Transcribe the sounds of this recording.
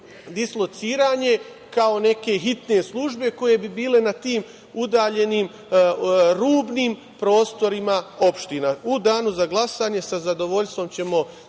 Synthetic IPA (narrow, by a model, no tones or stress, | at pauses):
d̪islˠo̞t̪siːɾaːɲe̞ | kao̞ne̞ke̞ɦit̪ne̞slˠuʒbe̞ko̞je̞bibiːle̞nat̪iːm | ud̪aːʎe̞niːm | ɾuːbniːm | pɾo̞ːst̪o̞ɾimao̞pʃt̪inaud̪aːnuzaɡlˠasaɲe̞sazad̪o̞ʋo̞ʎst̪ʋo̞mt͡ɕe̞mo̞